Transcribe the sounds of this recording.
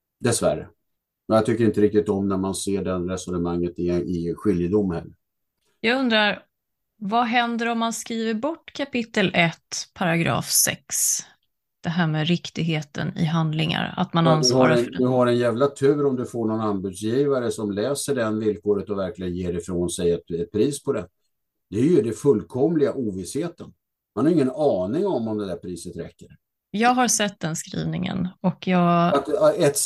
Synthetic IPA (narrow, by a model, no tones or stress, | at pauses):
d̪ɛsvæɾə̰ | mɛnjat̪ʰʏkːəɾɪnt̪əɾɪk̚t̪ɪt̪ɔmnæɾmanseːɖɛnɾɛsɔnəmaŋːət̪ɪɪɧʏljəd̪ʊmːən | jɑːɡɵnd̪ɾaɾ | vaɦɛnd̪əɾɔmːanskɾiːvəɾbɔʈːkʰapɪt̪ːəlʔɛt̪ːpʰaɾaɡɾɑ̰ːfsɛ̰ks | d̪̥ɛɦæːɾmeːɾɪkt̪ɪɡɦeːt̪ʰə̰nɪ̰ɦand̪lɪŋa̰ɾa̰t̪mananshɔːɾad̪ɵɦaɾɛnjæːvlat̪ʰʉ̟ːɾɔmd̪ɵfoːɳɔnand̪bʉd̪sjiːvaɾəsɔmlɛːsəɖɛnvɪlkʰoːɾət̪ɔvæɾklɪɡənjeːɾɪfɾoːnsɛjɛt̪ɛt̪̚pʰɾiːspʰɔd̪ɛn | d̪̥ɛjəɖɛfɵlːkʰɔmlɪɡaʔuːvɪsheːt̪ən | manhaɾɪŋːənɑːnɪŋɔmɔmd̪ɛd̪æɾpʰɾiːsət̪ɾɛ̰kːəɾ | jɑːɡɦaɾsɛt̪̚ːd̪ɛnskɾḭːvnɪŋə̰nɔkʰjɑːɡat̪ɛt̪